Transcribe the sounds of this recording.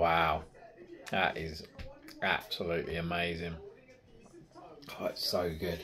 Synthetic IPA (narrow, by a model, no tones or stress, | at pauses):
waʊ | ðəʔɪzʔa̰b̥səlʉˑʔliəmeɪzɪ̃ŋ | kʰatsəʊɡʊd̥